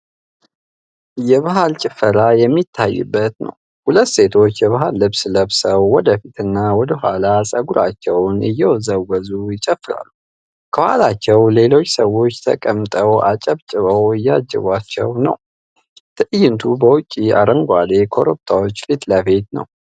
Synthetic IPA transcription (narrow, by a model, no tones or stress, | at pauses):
jɛβaɦalt͡ʃʼɪfːəɾajɛmːit̪ʰːajːɨ̰bːət̪nə̰w | hulət̪ːse̞t̪ʰo̞t͡ʃːjɛβaɦalːɨβsləβsəwːɔd̪əfit̪ʰɨnːawɔd̪əɦʷalasʼəɡuɾat͡ʃːɛwnɨjːɛwɔzəwəzujɪt͡ʃʼəfːɨɾa̰lːu | kʰəwhalat͡ʃːɛwle̞lo̞t͡ʃːsəwo̞t͡ʃːt̪ʰə̰kʼəmt̪ʼəwʔat͡ʃʼəβt͡ʃʼɨβəwɨjːad͡ʒːə̰βʷat͡ʃːɛ̰wnə̰w | t̪ʰɨʔɨjːɨnt̪ʰubəwʊt͡ʃʼːia̰ɾəŋɡʷad̪e̞kʰo̞ɾup̚t̪ʰawo̞t͡ʃːlit̪ləbe̞t̪nə̰w